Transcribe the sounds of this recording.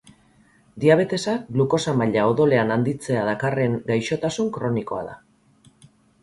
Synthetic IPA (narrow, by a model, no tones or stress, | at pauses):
d̪iaβ̞e̞t̪e̞sak̚bluko̞samaʎao̞ðo̞le̞anand̪it͡se̞að̞akare̞ŋɡajʃo̞t̪asuŋkɾo̞niko̞a̰ða̰